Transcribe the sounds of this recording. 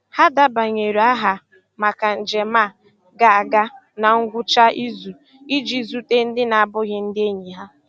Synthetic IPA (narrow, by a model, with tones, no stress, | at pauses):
ha˦da˦ba˨ɲe˨ɾu˨a˦ɦa˨ | ma˨ka˨n̩˨d͡ʒe˨ma˦˨ | ɡa˦a˨ɡa˦ | na˨ŋ̩˦ɡʷʊ˦t͡ʃa˦i˦zu˨ | i˦d͡ʒi˦zu˦te˦n̩˦dɪ˦na˨a˦˨bʊ˦ɣɪ˦n̩˦dɪ˦e˦ɲi˨ɦa˦